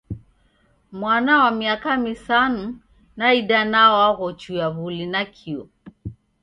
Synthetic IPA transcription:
mwanawamiakamisanu | naidanaɔwaɣɔt͡ʃujaβulinakʰiɔ

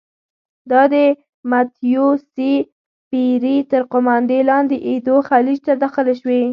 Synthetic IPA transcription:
d̪ɑd̪ə | mat̪ijosi | piɾit̪əɾqʊmand̪elɑnd̪eʔed̪oxalid͡ʒt̪ad̪ɑxəleʃwe

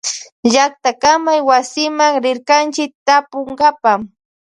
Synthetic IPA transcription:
ʒak̚t̪akamajwasɪmaŋɾɪɾkant͡ʃɪk̚t̪apoŋɢapam

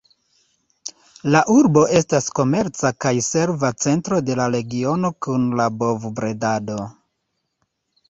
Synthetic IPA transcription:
laʔuɾbo̞ʔe̞stasko̞me̞ɾt͡sakajse̞ɾvat͡se̞ntɾo̞de̞laɾe̞ɡio̞no̞kunlabo̞vbɾe̞dado̞

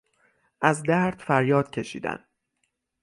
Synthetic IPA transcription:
ʔæzd̪æɾd̪̥fæɾjɒːd̪̥̚cʰe̞ʃḭːd̪æ̰n

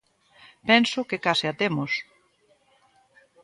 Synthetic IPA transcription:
pɛnsʊkekaseat̪emʊs

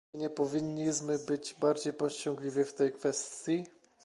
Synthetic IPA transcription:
ɲɛpɔvʲiɲːiʑmɘbɘd͡ʑbaɾd͡ʑejpɔɕt͡ɕɔ̃ŋɡlʲivʲift̪ɛjkfɛst̪ʲji

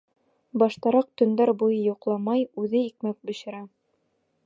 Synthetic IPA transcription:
bɑʃt̪ɑɾɑq̚t̪ɵ̆nd̪ɑɾbujɤjuqlˠɑmɑjʉðɘikmæk̚bɵ̆ɕɘ̆ɾæ

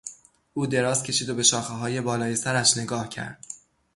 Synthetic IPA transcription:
ʔuːd̪e̞ɾɒːzcʲʰe̞ʃiːd̪obe̞ʃɒːxeɦɒːje̞bɒːlɒːjesæɾæʃne̞ɡɒːhcʰæ̰ɾd̪̥̚

